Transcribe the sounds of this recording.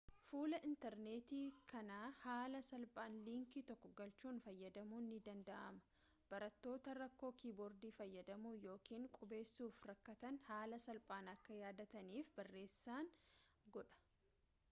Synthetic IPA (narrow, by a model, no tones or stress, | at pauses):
fuːlɐʔɪnt̪ɛɾne̞ːt̪iːkʰɐnaːhaːlɐsɐlpʼaːnliːŋkɪt̪ɔkːɔɡɐlt͡ʃuːnfɐjːɐd̪ɐmuːnːɪd̪ɐnd̪ɐʔɐmɐ̥ | b̥ɐɾɐt̪ːo̞ːt̪ɐɾɐkːo̞ːkʰiːbɔɾd̪iːfɐjːɐd̪ɐmuːjo̞ːkiːŋkʼʊbe̞ːsːuːfɾɐkːɐt̪ɐnhaːlɐsɐlpʼaːnɐkːɐjaːd̪ɐt̪ɐniːfbɐrːe̞ːsːaːŋɡɔᶑɐ̥